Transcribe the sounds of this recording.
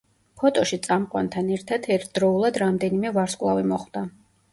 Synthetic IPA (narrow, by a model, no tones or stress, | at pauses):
pʰɔt̪ʼɔʃit̪sʼamqʼwa̰nt̪ʰanɛɾt̪ʰad̪ʰɛɾt̪ʰd̪ɾɔulˠad̪ɾamd̪ɛnimɛvaɾskʼlˠavimɔχwd̪̥a